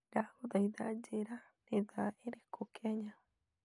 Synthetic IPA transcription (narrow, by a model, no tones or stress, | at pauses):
ɾahud̪ajd̪ad͡ʒeɾa | ɾeðaeɾekʰokeaɲa